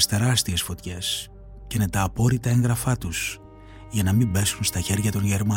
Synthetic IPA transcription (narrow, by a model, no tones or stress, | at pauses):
st̪e̞ɾɐst̪ie̞sfo̞t̪çe̞s | cinet̪ɐːpo̞ɾit̪ɐe̞ŋɣɾɐfɐt̪us | ʝɐnɐmibe̞sunst̪ɐçe̞ɾʝɐt̪o̞nʝeɾmɐ